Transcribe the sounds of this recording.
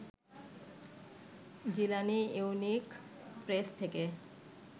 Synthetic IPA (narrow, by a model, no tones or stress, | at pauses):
d͡ʑilaniiunik | pɾest̪ʰeke